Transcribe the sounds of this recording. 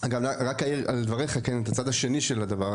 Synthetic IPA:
aɡamaʁakaiald̪vaʁejχakenet̪at͡sad̪aʃe̞niʃelad̪ava

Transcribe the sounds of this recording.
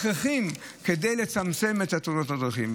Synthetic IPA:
χeχim | kedejle̞t͡samt͡se̞met̪at̪unotadʁaχim

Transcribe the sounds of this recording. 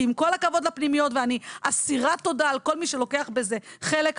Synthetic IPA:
imko̞lakavo̞dlapnimijo̞tveaniasiʁato̞daːlko̞lmiʃe̞lo̞ke̞aχbe̞ze̞χe̞lek

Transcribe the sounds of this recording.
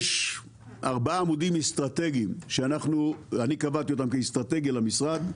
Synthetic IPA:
ʃ | ʔaʁbaaːmudimest̪ʁat̪eɡimʃeanaχnuanikavat̪io̞t̪amkest̪ʁat̪eɡjalamisʁad̪

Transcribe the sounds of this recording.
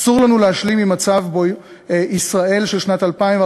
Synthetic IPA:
suʁlanuleaʃlimimat͡savbo | isʁae̞lʃelʃnatalpaĩmv

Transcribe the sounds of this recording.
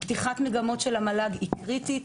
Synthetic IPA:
b̥tiχatmeɡamo̞tʃe̞lamalaɡikʁitit

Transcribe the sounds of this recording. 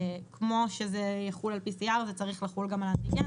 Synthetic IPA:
kmo̞ʃezejaχulalpisiaʁzet͡saʁiχlaχulɡamalat̪ika

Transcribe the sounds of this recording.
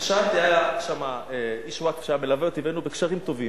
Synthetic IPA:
ʃat̪iajaʃamaeiʃwakfʃajamelaveot̪ivenubekʃaʁimt̪o̞vim

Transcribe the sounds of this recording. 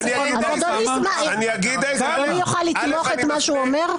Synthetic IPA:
azad̪onimaniɡiad̪onijoχalːit̪loχet̪maʃuomeʁ

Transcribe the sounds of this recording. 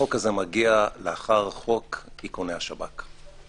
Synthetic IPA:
o̞kazemaɡialeaχaʁχo̞kikonejhaʃabak

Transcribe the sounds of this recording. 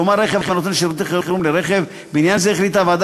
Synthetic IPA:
omaɾeχevχenot̪enʃeɾut̪̬eχeɾuχelumleɾeχev | beinjanzeeχlit̪avad̪

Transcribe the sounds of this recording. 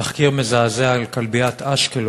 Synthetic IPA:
aχkiʁmezaːzeaalkalbiat̪ʰaʃkel

